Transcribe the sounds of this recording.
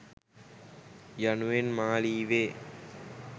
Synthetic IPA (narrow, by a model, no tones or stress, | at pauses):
januʋenmaːliːʋeː